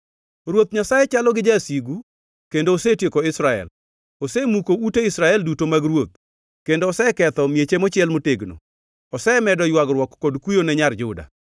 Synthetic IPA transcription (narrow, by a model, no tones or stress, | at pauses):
rwot̪̚ɲasajɛt͡ʃalɔɡɪd͡ʒasiɡu | kendoːsetjekoɪsɾaɛ̰l | osemukouteɪsɾaɛldutomaɡrwot̪̚ | kendoːsɛkɛt̪ɔmjet͡ʃemɔt͡ʃɪɛlmoteɡno̰ | ɔsɛmɛdɔjwaɡrwɔkːodkujonɛɲard͡ʒʊda̰